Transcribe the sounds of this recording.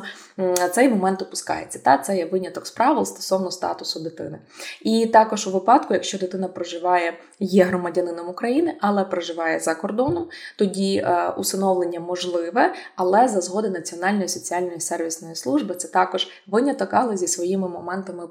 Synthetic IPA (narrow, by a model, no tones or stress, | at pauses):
t̪sɛjmɔmɛnt̪ʊpʊskɑ̰jet͡sʲːɐ̥t̪ɑt̪sɛjɛʋɪnʲɐt̪ɔkspɾɑʋɪlˠst̪ɔ̥sɔwnɔst̪ɑ̰t̪ʊsʊd̪ɪt̪ɪ̰nɪ | it̪ɑkɔʒuʋɪpɑd̪kʊjɐkʃt͡ʃɔd̪ɪt̪ɪnɐpɾɐʒɪʋɑjɛ | jɛɦɾɔmɐdʲɐnɪnɔmukɾɐjinɪʔɐlˠɛpɾeʒɪʋɑjɛzɐkɔrd̪ɔnɔmt̪ɔdʲiṵsɐnɔʋlˠenʲːɐmɔʒlˠɪʋɛɐlˠɛzɐzɦɔd̪ɪnɐt͡sʲiɔnɑlʲnɔjisɔt͡sʲiɑlʲnɔjisɛrʋʲisnɔjislˠuʒbɨt̪sɛt̪ɑkɔʒ̥ | ʋɪnʲɐt̪ɔkɑlˠɐzʲisʋɔjimɪmɔmɛnt̪ɐmɪ